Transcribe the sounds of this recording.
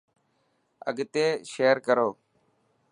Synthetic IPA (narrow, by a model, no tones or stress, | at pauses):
ə̰ɡt̪eːʃeːɾkəɾoː